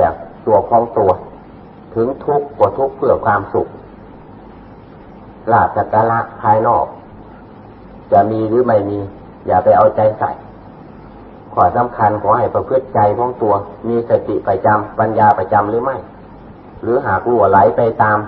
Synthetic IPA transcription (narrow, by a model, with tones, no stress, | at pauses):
ə˩ŋt̪u˧ɐkʰɔː˧˥ŋt̪u˧ɐ | t̪ʰɯ˨˦ŋt̪ʰu˦˥kːɔː˧˩t̪ʰu˦˥k̚pʰɯ˧˩ɐkʰwaː˧msu˧˦k̚ | laː˧˩t̪̚sa˧˩kaː˧la˧ʔpʰaː˧jnɔː˧˩k̚ | t͡ɕa˧˩miː˧lɯː˨˦ma˧˩jmiː˧ | jaː˨˩k̚pa˧˩jʔa˧˩wt͡ɕa˧jsa̰˧˩j | kʰɔː˧˩sa˧˦mkʰa˧nkʰɔː˨˦ha˨˩jpa˧pʰɯ˧˥t̪̚t͡ɕa˧jkʰɔː˧˥ŋt̪u˧ɐmiː˧sa˧t̪i˧ʔpa˧˩t͡ɕa˧mpa˧njaː˧pa˧t͡ɕa˧mlɯː˧˦ma˧˥˩j | lɯː˨˦ɦaː˨˩k̚lu˧˩əla˨˦jpa˧jt̪aː˧m